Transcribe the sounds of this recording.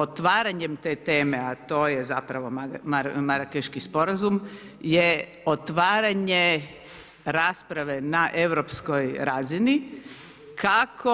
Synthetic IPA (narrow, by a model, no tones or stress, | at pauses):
ot̪ʋaːɾaɲe̞mt̪e̞ːt̪e̞ːme̞at̪o̞ːje̞zapɾaʋo̞amamaɾakeʃkispo̞ɾazum | je | ot̪ʋaːɾaɲe | ɾaːspɾaʋe̞naʔe̞ʋɾopskojɾaːzini | kʰakʰo